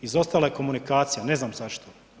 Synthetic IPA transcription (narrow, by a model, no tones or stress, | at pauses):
izo̞st̪aːlajeko̞munikaːt̪sijane̞znaːmzaʃt̪o